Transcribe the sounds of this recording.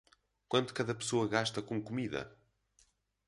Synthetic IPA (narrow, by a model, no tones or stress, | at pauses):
kwɐ̃nd̪u̥kɐðɐpɨ̥soɐɣaʃt̪ɐkõkumiðɐ̰